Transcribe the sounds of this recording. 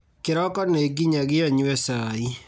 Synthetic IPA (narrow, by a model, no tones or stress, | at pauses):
keɾɔkɔneɡiɲaɣiaɲuwɛsai